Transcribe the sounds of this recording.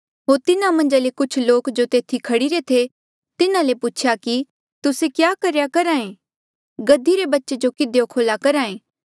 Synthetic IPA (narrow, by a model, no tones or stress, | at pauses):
ɦoːɾt̪ɪnãmɐ̃nd͡ʒalekʊt͡ʃʰloːkd͡ʒot̪eːt̪ʰikʰɐɽiɾet̪ʰe | t̪ɪnãlepʊt͡ʃʰjaki | t̪ʊsekjaːkɐɾjakɐɾãːẽ | ɡɐd̪ːiɾebɐtːʃed͡ʒokɪd̪ejokʰoːlakɐɾaːẽː